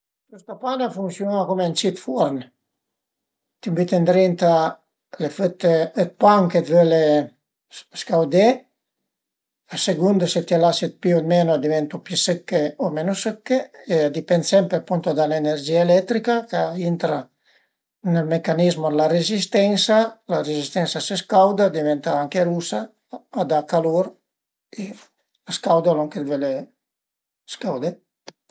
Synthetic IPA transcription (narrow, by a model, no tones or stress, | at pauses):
k̪ust̪apanafunsjonakomeant͡ʃit̪fɔɾn | t̪imbit̪end̪ɾint̪a | leføt̪ːeːt̪̚paŋket̪vøle | skawd̪e | aseɡund̪oset̪ialasit̪̚piod̪menoad̪ivɛnt̪upjisəkːeomenosəkːeead̪ipensɛmpɾepunt̪od̪aleneɾd͡ʒiːaelɛt̪ːɾikakaint̪ɾa | nelmekanizmod̪laɾezist̪ɛnsalaɾezist̪ɛnsaseskawd̪ad̪ivɛnt̪aaŋkeɾusaː | d̪akaloɾ | e | askawd̪aloŋked̪vele | skawd̪e